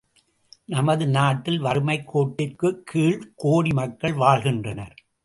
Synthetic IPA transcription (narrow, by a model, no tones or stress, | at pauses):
nɐmɐðɯnaːʈːɪlʋɐɾɯmɐɪkːoːʈːɪrkɯkʰːiːɭkoːɽimɐkːɐɭʋaːɭɣɪndrɐnɐ̰ɾ